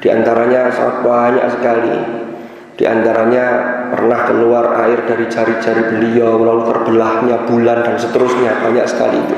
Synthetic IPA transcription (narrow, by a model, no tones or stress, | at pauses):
d̥ia̰nt̪aɾaɲasa̰at̪̚baɲa̰ʔsəkalḭ | d̥iʔa̰nt̪aɾaɲapə̰rnahkəluara̰ɪrdaɾid͡ʒaɾid͡ʒaɾibəliawlalut̪ərb̥əlahɲab̥ulandansət̪əɾʊsɲab̥aɲa̰ʔsə̥ka̰lḭt̪u